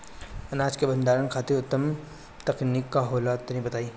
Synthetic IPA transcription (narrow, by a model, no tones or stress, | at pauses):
ɐnaːd͡ʒkebɐ̃nd̪aːɾənkʰaːt̪eɾʊt̪ːəm | t̪ɐknikːaɦoːlat̪ɐɦĩbɐt̪aːiː